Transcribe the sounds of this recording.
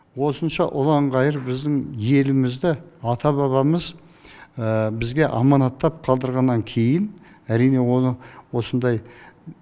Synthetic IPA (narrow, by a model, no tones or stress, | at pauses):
wo̞sənʃɑʔʊlˠɑɴʁɑjəɾbɪzd̪ɪŋje̞lɪmɪzd̪ɪɑt̪ʰɑβɑβɑməz | əbɪzɡʲe̞ʔɑmɑnɑt̪ːɑp̚qʰɑlˠd̪əɾʁɑnːɑŋkʲʰe̞jɪn | æɾijne̞wo̞nəwo̞sənd̪ɑj